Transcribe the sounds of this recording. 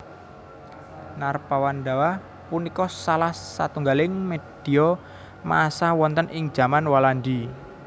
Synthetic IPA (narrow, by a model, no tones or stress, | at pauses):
narpawanɖawah | punikɔsalahsa̰t̪uŋɡalɪŋmed̪̥iɔ | ma̰sawɔnt̪ənɪŋ̥d͡ʒ̥a̤manwalanɖi